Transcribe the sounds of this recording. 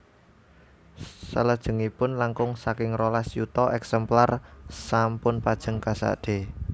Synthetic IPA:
sələd̥ʒ̥ə̤ŋipʊnlaŋkʊŋsakɪŋɾolasjut̪ɔɛksɛmplarsampʊnpad̥ʒ̥ə̤ŋkasa̰d̥e

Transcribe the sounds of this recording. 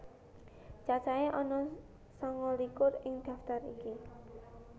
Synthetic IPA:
t͡ʃat͡ʃaeʔɔnɔ | sɔŋɔlikʊrɪŋd̪̥a̤ft̪aɾḭki

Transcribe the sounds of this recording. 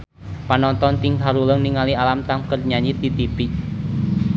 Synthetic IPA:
panɔnt̪ɔnt̪iŋɦaɾuləŋniŋalialamt̪amkərɲaɲit̪it̪ipi

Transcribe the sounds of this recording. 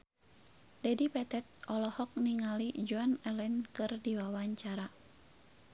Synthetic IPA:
dɛdipɛt̪ɛt̪̚ʔɔlɔhɔk̚niŋalid͡ʒuanɛlɛnkɨrdiwawaɲt͡ʃaɾa

